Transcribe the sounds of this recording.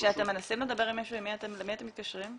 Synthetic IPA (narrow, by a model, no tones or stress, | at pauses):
ʃeate̞mːe̞nasimled̪abe̞ʁimːaʃuimːiat̪emlemiate̞mit̪̚kaʃʁim